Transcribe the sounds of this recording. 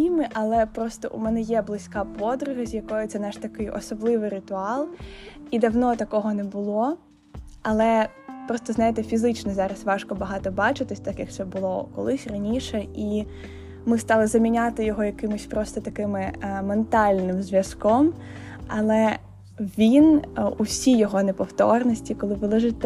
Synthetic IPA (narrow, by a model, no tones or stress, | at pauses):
imɪʔɐlˠɛpɾɔst̪ɔʔumɛnɛjɛblˠɪsʲkɑpɔd̪ɾʊɦɐzʲjɐkɔjɔt̪sɛnɛʃt̪ɐkɪjɔ̰sɔblˠɪʋɪjɾɪt̪ʊɑlˠid̪ɐwnɔt̪ɐkɔɦɔnɛbʊlˠɔ | ɐlˠɛ | pɾɔst̪ɔznɑjɪt̪ɛfʲizɪt͡ʃnɔzɑɾɐsʋɑʃkɔbɐɦɑt̪ɔbɑt͡ʃɪt̪ɪsʲt̪ɑkjɐk̪̚sɛbʊlˠɔkɔ̰lˠɪsʲrɐnʲiʃɛi | mɪst̪ɑlˠɪzɐmʲinʲat̪ɪjɔɦɔjɐkɪmʊsʲpɾɔst̪ɔt̪ɐkɪmɪment̪ɑlʲnɪmzʲʋʲjɐskɔm | ɐlˠɛ | ʋʲinusʲijɔɦɔnepɔwt̪ɔrnɔsʲtʲikɔlˠɪʋɨlˠɪʒɪt̪ʲ